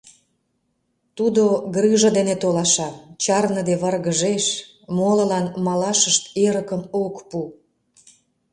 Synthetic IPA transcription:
t̪ud̪oɡrɨʒə̆d̪enet̪olɑʃɑt͡ɕɑrnəd̪eβərɣəʒeʃ | molə̆lɑnmɑlɑʃəʃt̪eɾəkəmokpu

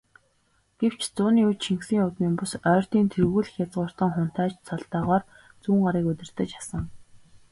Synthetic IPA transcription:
ɡ̥ew̥t͡ɕt͡sʊːniːut͡ɕt͡ɕʰiŋksiːŋʊt̪miːŋpʊsœːr̥t̪iːnt̪ʰerɣuːɮɘ̆xʲjat͡sʁʊːr̥t̪ə̆ŋχʊn̥t̪æːt͡ɕsʰɔɮt̪œːʁɔːr | t͡suːŋɢaɾiːkɵt̪ʲɪ̆r̥t̪ə̆t͡ɕḁsə̆ŋ

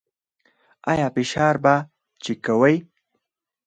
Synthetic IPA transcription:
ɑjɑpɪʃɑːɾba | t͡ʃekawəj

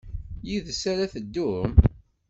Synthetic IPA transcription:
jiðsæɾæθəd̪ːum

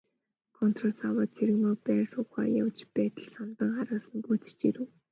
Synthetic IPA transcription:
kʰɔnt̪ʰrɔ̆sawəːt͡sʰeɾɘ̆ɣmoːpæːrʃʊːχa̰ːja̰wt͡ɕpæːt̪ə̆ɮsant̪ə̆ŋχaɾə̆sə̆nɡut͡sɘ̥̆t͡ɕiɾɘ̆w

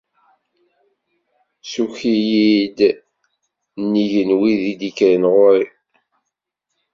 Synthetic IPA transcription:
suçijid̪ | nːiʝənwiðid̪ikɾənʁʊɾi

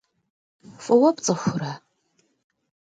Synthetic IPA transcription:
fʼɨwɐpt͡sʼɨxʷʊra

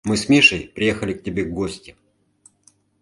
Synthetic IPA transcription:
mɨsmʲeʂɨjpɾʲɪjexəlʲɪk̚tʲɪbʲeɡɡosʲtʲɪ

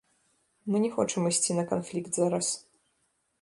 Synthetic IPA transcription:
mɨnʲɛxɔt͡ʂɨmɨsʲt͡sʲinɐkanflʲikt̪zaɾɐs

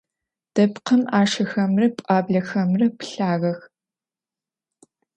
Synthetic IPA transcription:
d̥ɐpqəmaːʂɐxɐmrɐpʼaːbɮɐxɐmrɐpɬaːɣɐx

